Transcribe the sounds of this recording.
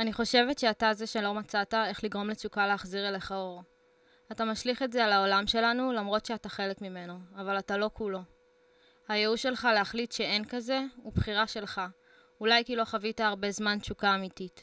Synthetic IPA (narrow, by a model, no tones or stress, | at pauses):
aniχo̞ʃe̞ve̞tʃeatazeʃe̞lo̞mat͡satae̞χliɡʁo̞mle̞t͡ʃukaleaχziʁeleχaoʁ | atamaʃliχetzealao̞lamʃe̞lanulamʁo̞tʃeataχe̞lekmime̞noavalatalo̞kulo̞ | hajeuʃe̞lχaleaχlitʃe̞e̞nkaze̞ubχiʁaʃe̞lχa | ulajkilo̞χavitaːʁbe̞zmant͡ʃukaːmitit